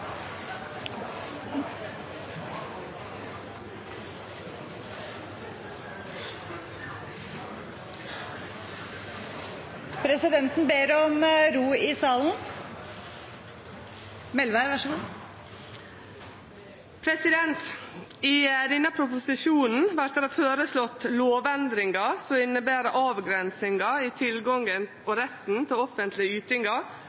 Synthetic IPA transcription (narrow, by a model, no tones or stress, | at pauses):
pʰɾɛsɪd̪ɛnt̪nbeːɾɔmɾuːɪsɑːln̩ | mɛlʋæɾʋɑʂɡu | pʰɾɛsɪd̪ɛnt̪iːd̪ɪnːɑpʰɾʊpʊsɪʃuːnn̩ʋæɾt̪æːɾɑføːɾəslɔt̪loːʋɛnd̪ɾɪŋɑsɔɪnːəbæːɾəʔɑːʋɡɾɛnsɪŋɑiːt̪ʰɪlɡɔŋən | ɔɾɛt̪n̩t̪ʰɪlɔfənt̪lɪəʉːt̪ɪŋɑ